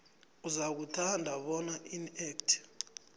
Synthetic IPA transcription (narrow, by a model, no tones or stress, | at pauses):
uzak̬utʰandʱaɓɔnaʔinɛk̚tʰ